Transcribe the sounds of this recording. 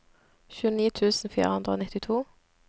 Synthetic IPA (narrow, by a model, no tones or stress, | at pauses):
çʉːəniːt̪ʰʉːsn̩fḭːʁəhʉnd̪ʁəoːnɪt̪ɪt̪ʰuː